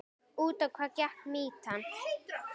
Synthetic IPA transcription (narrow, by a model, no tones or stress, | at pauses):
uːt̪akʷʰakjaχmiːtʰan